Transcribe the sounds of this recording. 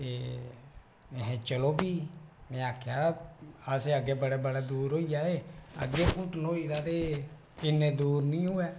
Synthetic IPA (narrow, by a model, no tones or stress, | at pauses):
t̪eː | ɦẽt͡ʃəloːbiːmɛ̃ːaːkʰjaːəseːəɡeːbəɽeːbəɽaːd̪uːɾɦoːijaːɦeːə̰ɡːeːʔʊʈʰnoːiːd̪aːt̪eː | ɪnːẽːd̪uːɾnĩːɦʊɛː